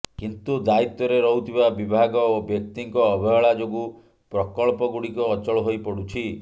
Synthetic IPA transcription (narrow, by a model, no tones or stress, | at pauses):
kint̪ud̪ait̪ɔɾeɾɔɦut̪ʰibabibʱaɡɔobjɔk̚t̪iŋkɔːbʱɔjɔɭad͡ʒoɡu | pɾɔkɔɭpɔɡuɽikɔːt͡ʃɔɭɔɦojpɔɽut͡ʃʰi